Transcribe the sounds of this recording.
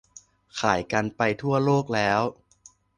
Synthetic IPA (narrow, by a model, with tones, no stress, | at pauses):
kʰaː˩˦jka˧npa˧jt̪ʰu˥˩ɐloː˥˩k̚lɛː˦˥w